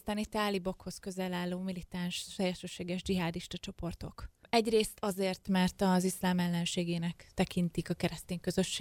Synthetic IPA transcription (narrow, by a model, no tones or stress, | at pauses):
st̪aːnit̪ːaːlibo̞kho̞skø̞zɛlaːlːoːmilit̪anʃt̪ɛjɛʃøːʃeːɡɛʒd͡ʒiɦaːd̪iʃt̪ɒt͡ʃo̞po̞rt̪o̞kɛɟreːst̪ɒzeːrt̪mɛrt̪ɒzislaːmɛlːɛnʃeːɡeːnɛkt̪ɛkint̪ikɒkɛɾɛst̪iːŋkø̞zø̞ʃːeː